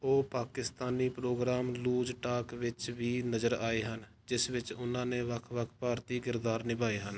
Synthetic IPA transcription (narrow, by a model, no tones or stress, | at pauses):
oːpaːkɪst̪aːniːpɾoːɡɾaːmluːd͡ʒʈaːkʋɪt͡ʃʋiːnəd͡ʒəɾaːeːɦən | d͡ʒɪsʋɪt͡ʃʊnãːnẽːʋəkʰʋəkʰpaːɾt̪iːkɪɾd̪aːɾnɪbaːeːɦən